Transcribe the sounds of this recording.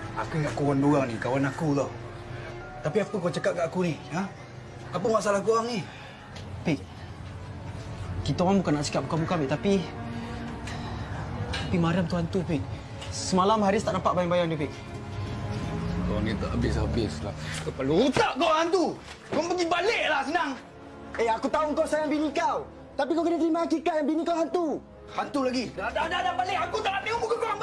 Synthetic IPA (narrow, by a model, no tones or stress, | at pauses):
a̰kuŋaʔkawanduɣaŋnikawanakula | t̪apiapukoat͡ʃəkat̪̚ɡaʔakunia | apumaʔsalakuwaŋni | piʔ̚ | kit̪owaŋbukanaʔt͡ʃə̥kat̚bukanbukanpiʔt̪api | t̪apimaɾamt̪uɦant̪upiʔ̚ | səmalamɦaɾɪst̪aʔnampat̪̚bajaŋbajaŋdiəpɪʔ | koa̰ŋɛnt̪aʔabɪsabɪsla̰kəpaluːt̪aʔkaɦant̪u | kɔŋpəɡibaleʔlahsənaŋ | eakut̪auŋkawsajaŋbinikaw | t̪apikawkinat̪əɾimakikaʔjaŋbinikawɦant̪u | hant̪ulaɡiadadadabaleʔakut̪aʔaikɔbukakoaŋ